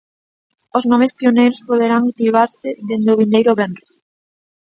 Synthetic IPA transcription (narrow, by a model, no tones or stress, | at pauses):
ʊznɔmɪspionejɾʊspoðeɾaŋut̪iβaɾsɪðend̪eʊβind̪ejɾʊβɛnrɪs